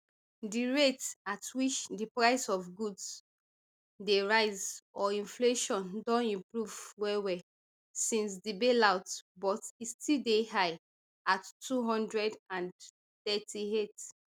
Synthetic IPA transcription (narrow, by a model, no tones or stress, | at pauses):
diɹetatwit͡ʃdipɹaɪsɔfɡuds | deɹaɪzɔĩnfleʃɔ̃ndɔ̃nĩmpɹuvwɛwɛ | sĩns̬dibelaʊtbɔtistildehaɪ | atʰːuɦɔ̃ndɹɛdãn | θɛtʰiet